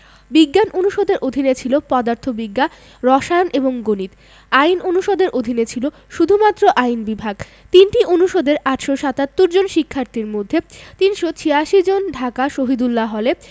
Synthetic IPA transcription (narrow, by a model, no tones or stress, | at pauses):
biɡːanʔonuʃod̪eɾʔod̪ʱinet͡ɕʰilopɔd̪aɾt̪ʰobiɡːa | ɾɔʃaneboŋɡonit̪ | ajnonuʃod̪eɾʔod̪ʱinet͡ɕʰilo | ʃud̪ʱumat̪ːɾoʔajnbibʱaɡ | t̪inʈiʔonuʃod̪eɾaʈʃoʃat̪at̪ːoɾd͡ʑonʃikʰːaɾt̪ʰiɾmod̪ʱːet̪inʃot͡ɕʰiaʃid͡ʑonɖʱakaʃoɦid̪ulːaɦɔle